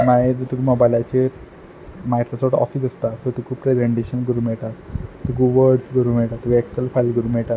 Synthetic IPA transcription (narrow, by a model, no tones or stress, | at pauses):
naɦet̪t̪ukumɔbajlat͡ɕe | majkɾosɔfʈɔ̰fiːsəst̪asəɾt̪ukʰupɾezeɳʈeɕənɡəɾuːmɛɭʈat̪t̪uɡuʋəɾɖskəɾuːm̤ɛɭʈat̪uɛkselfajlkəɾuːmɛɭʈa